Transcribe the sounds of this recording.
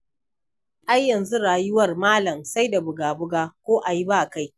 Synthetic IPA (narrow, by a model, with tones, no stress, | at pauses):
ʔa˦jːɐ˨nzu˦ɽaː˨jʊ˦wɐ˦˨rmaː˦lɐ˨msa˦jda˨bʊ˨ɡaː˨bʊ˦ɡaː˦kʷoː˦ʔa˨ji˦baː˦˨ka˦j